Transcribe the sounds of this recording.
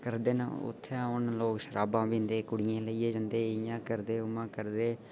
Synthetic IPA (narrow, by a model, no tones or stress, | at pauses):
kəɾd̪eːnə̰ʊ̰t̪ʰːeãːʊnloːkʃəɾaːbãːbĩːnd̪eːkʊɽɪjãːləiːeːd͡ʒə̃nd̪eːɪjãːkəɾd̪eːʊmãːkəɾd̪eː